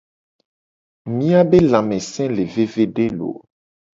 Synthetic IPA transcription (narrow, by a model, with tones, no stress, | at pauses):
mĩ˦a˦be˦lã˨mɛ̃˨sɛ̃˦le˨ve˦ve˦ɖe˦lo̰˨